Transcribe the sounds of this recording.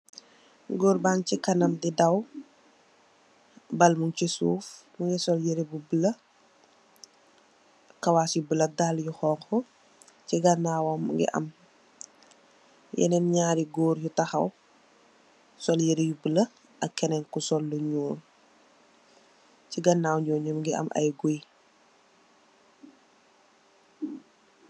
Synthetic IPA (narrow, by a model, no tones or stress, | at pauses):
ɡoːɾbaŋcikɐnɐmdidɐw | bɐlmuŋcisṵːfmuŋɛsɔljeɾebubəlɐ | kɐwasibəlɐdaljuxɔːŋkɔ | ciɡɐnawɐmṵŋɡɛ̰ʔɐ̰m | jɛ̰nɛnɲaːɾiɡoːɾjutɐxɐw | sɔljeɾejubəlɐ | ɐkːɛnɛnkusɔlːuɲoːɾ | ciɡɐnːawɲɔːɲumɡiʔɐ̰mʔɐ̰jɡoj